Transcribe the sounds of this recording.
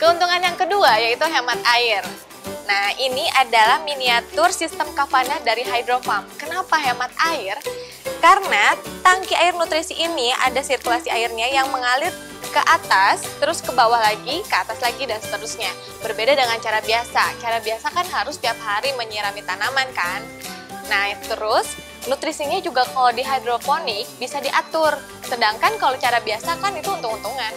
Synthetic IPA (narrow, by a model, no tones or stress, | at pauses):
kəunt̪uŋanjaŋkəduajait̪uɦemat̪̚aɪr | nahiniʔadalahminiat̪ʊrsist̪əmkafanadaɾiɦajdɾofamkənapaɦemat̪̚ʔaɪr | kaɾənat̪aŋkiʔaɪrnut̪ɾisiʔːnia̰dasirkulasiaɪrɲajaŋməŋalɪt | kəʔat̪ast̪əɾʊskəbawahlaɡikəat̪aslaɡidansə̥t̪əɾusɲa | bərbedadəŋant͡ʃaɾabiasat͡ʃaɾabiasakanɦaɾʊst̪iap̚haɾiməɲəɾamit̪anamankanː | aht̪əɾʊs | nut̪ɾisiɲad͡ʒuɡakalodiɦadɾoponɪk̚bisadiʔat̪ʊr | sədaŋkankalot͡ʃaɾabiasakanit̪uunt̪ʊukunt̪uŋan